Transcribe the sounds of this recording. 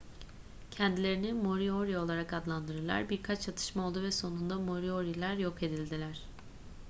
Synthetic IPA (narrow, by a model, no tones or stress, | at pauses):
cʰɛnd̪ilʲe̞ɾinimo̞ɾio̞ɾio̞lˠaɾakad̪lˠand̪ɯɾɯɾlˠa̰ɾbiɾkʰat͡ʃt͡ʃʰat̪ʰɯ̥ʃmao̞lˠd̪uvɛso̞nund̪amo̞ɾio̞ɾilʲˠæɾjo̞kʰe̞d̪ilʲd̪ilʲæɾ̝̥